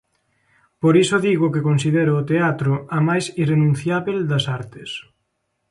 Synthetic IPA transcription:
poɾisʊðiɣʊkekonsiðeɾʊːt̪eat̪ɾʊɐmajsirenũn̟θjaβeld̪ɐsaɾt̪ɪs

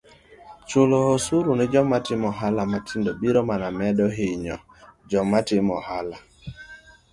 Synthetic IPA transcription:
t͡ʃʊloosuɾunɪd͡ʒɔmatɪmɔɦalamatʰindobiɾɔmanamɛdɔɦɪɲɔ̰ | d͡ʒɔmatɪmɔhala

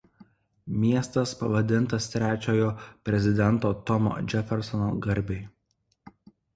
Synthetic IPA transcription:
mʲiɛst̪ɐspɐʋɐd̪ʲɪnˑt̪ɐst̪ʲɾʲæːt͡ʃʲoːjoːpʲɾʲɛzʲɪd̪ʲɛnt̪oːt̪ɔmo̰d͡ʒʲɛfʲɛɾsɔno̰ɡɐɾʲbʲɛɪ

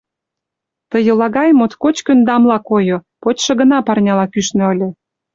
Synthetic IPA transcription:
t̪əjə̆lɑɣɑjmot̪kot͡ɕkə̆nd̪ɑmlɑkojopot͡ɕʃɤ̆ɡə̆nɑpɑrnʲɑlɑkyʃnø̆ɤ̆lʲĕ

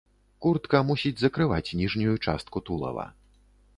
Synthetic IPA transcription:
kurt̪kɐmusʲid͡zʲzɐkɾɨvat͡sʲnʲiʐnʲujut͡ʂast̪̚kut̪ulˠɐ̰vɐ̰

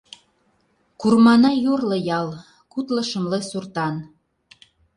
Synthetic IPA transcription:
kurmɑnɑjorlɤ̆jɑl | kut̪ləʃə̆mlesurt̪ɑn

